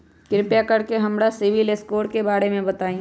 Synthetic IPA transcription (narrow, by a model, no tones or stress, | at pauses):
kɪɾɪpjakɐɾkeɦɐmɾasɪʋɪleskoːʈkebaːɾemẽbɐt̪aːĩː